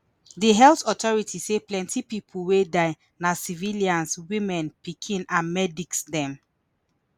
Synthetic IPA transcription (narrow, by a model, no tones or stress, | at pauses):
diɦɛltɔtɔɹitʰiseplɛ̃ntʰipipʰuwedaɪ | nasiviliãnswimɛ̃npikʰĩnãnmɛdiksdɛ̃m